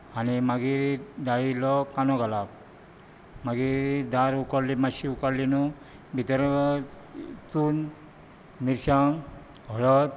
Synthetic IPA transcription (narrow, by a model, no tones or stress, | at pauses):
animaɡiɾd̪ailɔkanɔɡalab̚ | maɡid̪aɾukaɽlimaɕiukaɽlinu | bʱit̪əɾ | t͡sun | miɾɕaŋɦɔɭɔt̪̚